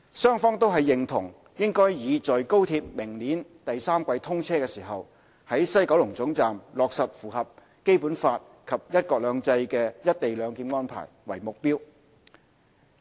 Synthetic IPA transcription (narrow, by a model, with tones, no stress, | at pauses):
sœː˥ŋfɔː˥ŋt̪o˥wɦɐ˨jːɪ˨ŋt̪ʰʊ̰˨˩ŋ | jɪ˥ŋkɔː˥jjiː˨˧t͡sɔː˨jko˥wt̪ʰiː˧p̚mɪ˨˩ŋliː˨˥nt̪ɐ˨jsaː˥mkʷɐ˧jt̪ʰʊ˥ŋt͡sʰɛː˥kɛː˧siː˨˩ɦɐ˨w | hɐ˨˥jsɐ˥jkɐ˨˥wlʊ˨˩ŋt͡sʊ˨˥ŋt͡saː˨mlɔː˨k̚sɐ˨p̚fuː˨˩ɦɐ˨p̚ | ke˥jpuː˨˥nfaː˧t̚ | kʰɐ˨p̚jɐ˥t̚kɔː˧k̚lœː˨˧ŋt͡sɐ˧jkɛː˧jɐ˥t̚t̪e˨jlœː˨˧ŋkiː˧nŋɔː˥npʰa̰ː˨˩jwɐ̰˨˩jmʊ˨k̚piː˥w